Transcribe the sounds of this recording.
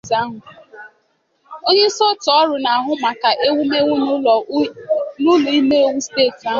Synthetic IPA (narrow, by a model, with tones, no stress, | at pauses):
za˦ɦʊ˨ | o˦ɲe˦sɔ˦tɔ˦ɾʊ˨na˨a˨ɦʊ˦ma˨ka˨ʔe˦wu˦me˦ŋʷu˦nu˦ɔ˨ | nʊ˦lɔ˨i˦me˦o˦wu˦ste˦˨ta˦˨